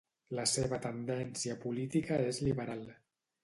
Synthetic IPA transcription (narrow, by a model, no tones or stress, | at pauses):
ləseβ̞ət̪ənd̪ɛnsiəpulit̪ikəezliβəɾalˠ